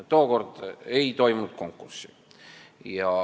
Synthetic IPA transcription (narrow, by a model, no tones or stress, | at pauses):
t̪o̞ːko̞rd̪̥ejt̪o̞jmunut̪̚ko̞ŋkːˑursi̥ | jɑ